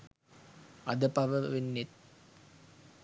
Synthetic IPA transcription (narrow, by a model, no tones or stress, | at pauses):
ɐd̪əpɐʋəʋenːet̪̚